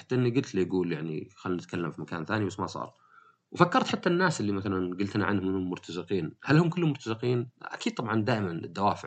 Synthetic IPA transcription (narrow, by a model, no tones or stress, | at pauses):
ħat̪ːaʔɪnːiɡʊlt̪lijɡuːljaʕnḭxalːnɪt̪kʰalːamfimakaːnθaːnibasːmasˤɑ̰ːɾˤ | wfakːɑɾˤt̪ħat̪ːanːaːsʔɪlːimaθalanɡʊlt̪naʕanhʊmɪnɪlmʊɾt̪ʰazɪqiːnhalhʊmkɪlːʊmːʊɾt̪azɪqiːnʔa̰kiːd̪̚t̪ˤɑbʕɑnd̪aːʔɪmanɪ̰d̪ːawaːfɪʕ